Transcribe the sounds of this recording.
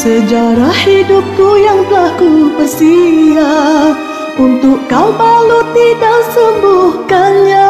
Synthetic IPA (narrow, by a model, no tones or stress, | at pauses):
səd͡ʒaɾahidup̚kujaŋbəlakubərsia | unt̪ʊkkːawmalut̪idasəmbuhkanɲa